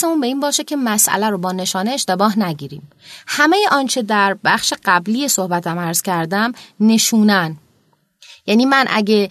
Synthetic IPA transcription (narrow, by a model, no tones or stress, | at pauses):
semuːnbe̞iːnbɒːʃecʲʰe̞mæsʔæ̰læɾobɒːne̞ʃɒːneːʃt̪e̞bɒːɦnæɟiːɾḭːm | hæme̞jeʔɒːnt͡ʃʰe̞d̪æɾbæxʃe̞ɢ̥æbliːjesohbæt̪ʰæmæɾz̥cʰæɾd̪æmne̞ʃuːnæn | jæniːmænʔæ̰ɟe̞